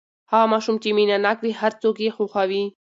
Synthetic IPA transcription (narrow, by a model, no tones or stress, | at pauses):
hamaːʃumt͡ʃiminanakʋihaɾt͡sokjexuxawi